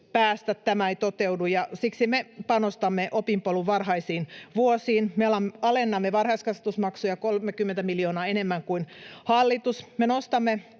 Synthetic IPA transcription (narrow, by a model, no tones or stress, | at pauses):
pæːst̪æt̪tæmæeit̪ot̪eudujɑsiksimepɑnost̪ɑmːeʔopimpoluʋʋɑrhɑisiːnʋuosiːnmeɑlɑmɑlenːɑmːeʋɑrhɑiskɑset̪usmɑksujɑkolmekymːent̪æmiljoːnɑːenemːæŋkuinhɑlːit̪usmenost̪ɑmːe